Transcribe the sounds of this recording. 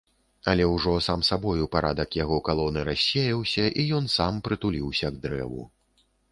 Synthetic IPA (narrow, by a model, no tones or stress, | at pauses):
alʲɛwʐɔsamsabɔjupaɾad̪ɐkjaɣɔkalˠɔnɨɾasʲːejɐwsʲɐʔijɔnsampɾɨt̪ulʲiwsʲɐɡ̚d̪ɾɛ̰vṵ